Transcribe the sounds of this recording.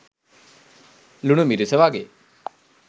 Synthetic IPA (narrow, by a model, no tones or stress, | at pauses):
luɽumiɾuseʋaɡe